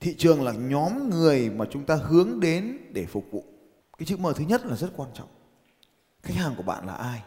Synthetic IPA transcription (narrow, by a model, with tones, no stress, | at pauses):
t̪ʰḭ˧˨t͡ɕɨ˨˩əŋlaː˨˩ɲɔ˨˦mŋɨ˨˩əjmaː˨˩t͡ɕʊ˨˦ŋ͡mt̪aː˧hɨ˨˦əŋɗe˨˦nɗe˧˩fʊ˨˩k͡p̚vṵ˧˨ | kaː˨˦jsɨ̰˧˥məː˨˩t̪ɨ˨˦ɲə˦˥t̚laː˨˩zə˦˥t̚kwaː˧nt͡ɕɔ̰˧˨wŋ͡m | xjk̚haː˨˩ŋku˧˩əɓa̰ː˧˨nlaː˨˩ʔaː˧j